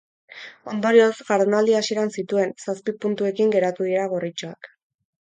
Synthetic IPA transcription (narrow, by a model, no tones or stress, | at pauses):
o̞nd̪o̞ɾio̞sɣaɾðenald̪iasieɾansit̪ue̞nsaspipunt̪ue̞kiŋɡe̞ɾat̪uð̞ieɾaɣ̞orit͡ʃoa̰k